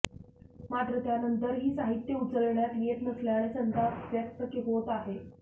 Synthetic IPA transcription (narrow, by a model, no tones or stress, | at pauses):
maʈ̪ɾət̪janənt̪əɾɦiːsaɦit̪jəut͡səlɳjat̪ʋieʈməsljaɭ̃esənt̪aʋjək̚t̪əkiɦot̪aɦe